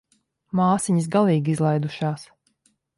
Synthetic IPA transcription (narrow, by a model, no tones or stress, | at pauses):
maːsiɲis̬ɡalˠiːɡizlˠajd̪uʃɑːs